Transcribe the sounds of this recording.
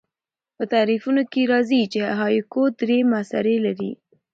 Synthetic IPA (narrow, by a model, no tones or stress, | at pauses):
pət̪aɾifunokeɾɑzit͡ʃeɦɑjkod̪ɾemasa̰ɾelaɾḭ